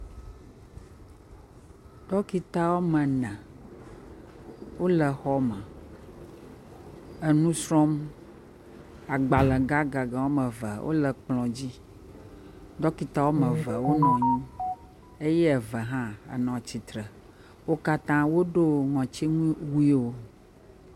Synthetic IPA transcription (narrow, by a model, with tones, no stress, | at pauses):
ɖ̪̥ɔ˦ki˦t̪a˦wo˦mə̃˨nɛ̃˨ | wo˦lə˨xɔ˦mə̃˨ | ə˨nũ˦sɾɔ̃˦m | a˨ɡ͡ba˨lə˨ɡa˦ɡa˨ɡa˨wo˦mə̃˨və˨wʔo̰˦lə˨k͡plɔ̃˨d͡ʑi˦ | ɖ̪ɔ˦ki˨t̪a˦wo˦mə̃˨və˨wo˦nɔ̃˨ɲũ˦ | e˦jɛ˦˨və˨ɦã˦ə̰˨nɔ̃˨t͡ɕi˨t̪ɾə˨ | wo˦ka˦t̪ã˦wo˦ɖo˦ŋɔ̃˨t͡ɕi˦ŋũ˦wu˦i˦wo˦